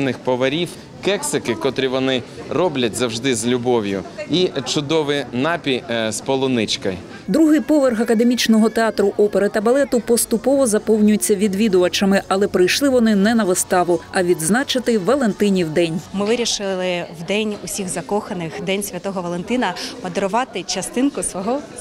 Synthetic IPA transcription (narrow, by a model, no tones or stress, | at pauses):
nɪxpɔʋɐɾʲiw | kɛksɪkɪkɔt̪ɾʲiʋɔnɪrɔblʲɐtʲzɐwʒd̪ɪzlʲʊbɔwjʊ̰it͡ʃʊd̪ɔʋɪjnɑpʲijspɔlˠʊnɪt͡ʃkɐj | d̪ɾuɦɪjpɔʋerxɐkɐd̪emʲit͡ʃnɔɦɔt̪eɑt̪ɾʊʔɔpeɾɪt̪ɐbɐlˠɛt̪ʊpɔst̪ʊpɔʋɔzɐpɔwnʲʊjet͡sʲːɐʋʲid̪ʋʲid̪oɐt͡ʃɐmɪʔɐlˠɛpɾɪjʃlˠɪʋɔnɪnɛnɐʋɪst̪ɑʋʊɐʋʲid̪znɑt͡ʃɪt̪ɪʋɐlˠe̞nt̪ɪnʲiwd̪ɛnʲmɪʋɪɾʲiʃɪlˠɪwd̪ɛnʲʊsʲiɣzɐkɔxɐnɪxd̪ɛnʲsʲʋʲɐt̪ɔɦɔʋɐlˠent̪ɪnɐmɐd̪eɾʊʋɑt̪ɪt͡ʃɐst̪ɪnkʊsʋɔɦɔ